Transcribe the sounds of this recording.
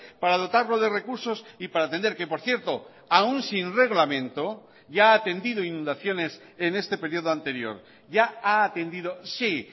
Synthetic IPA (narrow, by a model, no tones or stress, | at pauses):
paɾað̞o̞t̪aɾloðere̞kuɾso̞sipaɾaːt̪end̪e̞ɾke̞po̞ɾθje̞ɾt̪o̞ | aunsinre̞ɣlamẽ̞nt̪o̞ | ʝaːt̪e̞nd̪ið̞oinũnd̪aθjo̞ne̞s | ene̞st̪e̞pe̞ɾjo̞ð̞oant̪e̞ɾjo̞̰ɾ | ʝaaːt̪e̞nd̪iðo̞si